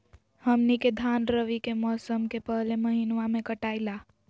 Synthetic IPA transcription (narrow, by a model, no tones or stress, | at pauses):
həmniked̪ʱaːnɾəʋikemɔːsəmkepəɦleməɦinʋamẽkəʈaːɪla